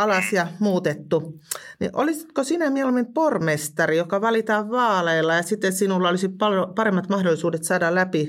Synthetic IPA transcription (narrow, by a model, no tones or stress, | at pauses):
ɑlɑsjɑmuːt̪et̪ːunḭʔʔolisit̪kosinæmielumːimpormest̪ɑrijokɑʋɑlit̪ɑːʋʋɑːleːlːɑjɑsit̪ːensinulːɑolisitpɑlopɑɾemːɑt̪mɑhdolːˑisuːdet̪sɑːdɑllæpi